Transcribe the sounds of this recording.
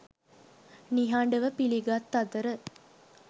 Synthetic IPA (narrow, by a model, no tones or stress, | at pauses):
niɦaːɳɖəʋəpiliɡaːt̪ːɐd̪əɾə